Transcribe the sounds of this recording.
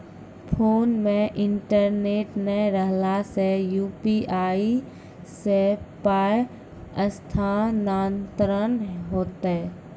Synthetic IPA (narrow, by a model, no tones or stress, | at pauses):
pʰoːnmẽʔɪɳʈəɾneːʈnəɾəɦlasejuːpiʔaːi | sepaːj | əst̪ʰanaːnt̪əɾənɦoːt̪eɛ